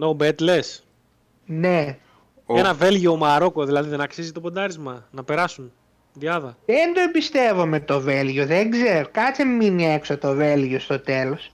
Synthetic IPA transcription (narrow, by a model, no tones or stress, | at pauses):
nobet̪le̞s | ne | enɐve̞lʝiomɐɾo̞ko̞ðilɐðiðenɐksizit̪o̞po̞d̪ɐɾizmɐnɐpe̞ɾɐsun | ðiɐðɐend̪oembist̪e̞vomet̪o̞velʝoðeŋɡzeɾokɐt͡seminieksot̪o̞velʝiost̪o̞t̪e̞lo̞s